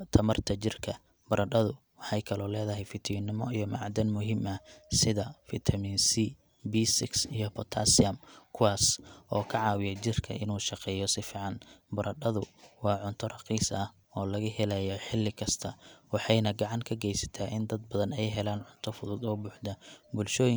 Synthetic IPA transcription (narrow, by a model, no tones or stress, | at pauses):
t̪ʰɐmɐrt̪ʰɐt͡ʃɪrkʰɐ | bɐɾɐɗɐðʊwɑħɑjkʰɐlɔːlɛːðɐɦɛjfɪt̪ʰɪnɪmɔijɔmɑ̰ʕd̪ɐnmʊɦɪmɐsɪðɐfɪt̪ʰɐminsi | biːsɪksijɔpʰɔt̪ʰa̰ːsɪɐmkʰʊwɑːsʔɔːkʰɐʕɑːwɪjɐt͡ʃɪrkʰɐ̰ʔɪ̰nuːʃɑqɛːjɔsɪfiːʕɑnbɐɾʔɐɖɐðʊwɑːʕʊnt̪ʰɔrɑqiːsɐh | ɔːlɐɣɐhɛlɐjɔħɪlːɪkʰɐst̪ʰɐwɑħɑjnɐɡɑʕɑŋkʰɐɡɛjsɐ̥t̪ʰaːʔɪnd̪ɐd̪̚bɐðɐnɛjɦɛlaːnʕʊnt̪ʰɔfʊðʊd̪ɔːbʊːħd̪ɐbʊlʃɔːjɪ